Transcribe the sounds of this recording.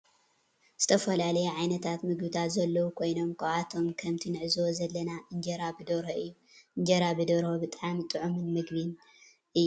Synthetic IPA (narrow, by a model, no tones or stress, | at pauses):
z̥ɨt̪ʰɐfɐlalɐjuʕajnɐt̪ʰat̪mɨɡbɨt̪ʰat̪zɐlːɐwukʰo̞jno̞mkʰɨat̪ʰo̞mkʰɐmt̪ʰinɨʕɨzɨwozɐlːɐnaʔɨɲd͡ʒɐɾabɨd̪oɾoʔɨjːuɨɲd͡ʒɐɾabɨd̪oɾobɨt̪ʼʕamit̪ʼɨʕumɨnmɨɡbin | ʔɨjːu